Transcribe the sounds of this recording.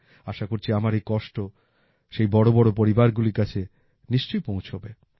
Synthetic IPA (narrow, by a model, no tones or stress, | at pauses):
aʃakoɾt͡ɕʰiamaɾekɔʃʈo | ʃejbɔɽobɔɽopoɾibaɾɡuliɾkat͡ɕʰe | niʃt͡ɕojpõw̃t͡ɕʰobe